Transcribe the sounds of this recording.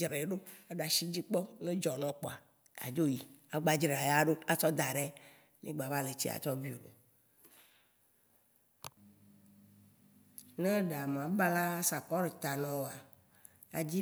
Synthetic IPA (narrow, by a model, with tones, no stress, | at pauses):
d͡ʒɾe˨ɖo˦a˨ɖa˨ʃi˦d͡ʑi˦k͡pɔ˦nẽ˦d͡ʒɔ˨nɔ̃˨k͡pɔ˨a˨ | a̰˨d͡ʒo˦ji˨a˨ɡ͡ba˦d͡ʒɾe˨a˨ja˦ɖo˦a˦t͡ʃɔ˦d̪a˨ɖɛ˦ | nḛ˦ɡ͡ba˨va˦le˨t͡ɕḭ˦a̰˨t͡ʃɔ˦vi˦o˨bo˨ | nã˦ɖa˨m˨ã˨ba˦la˦sa˨kɔ˦ɾe˨t̪a˨nɔ̃˨wo˨a˨ | a̰˨d͡ʑi˦